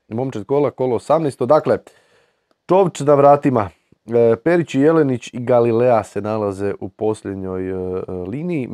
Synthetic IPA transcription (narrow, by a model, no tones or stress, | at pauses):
mo̞mt͡ʃet̪kolako̞loːsamnest̪od̪akle̞ | t͡ʃo̞ʋt͡ʃnaʋɾaːt̪ima | pe̞ɾit͡ɕije̞lenit͡ɕiɡalilease̞nalaze̞ʔupo̞sʎʲed̪ɲo̞jliːniji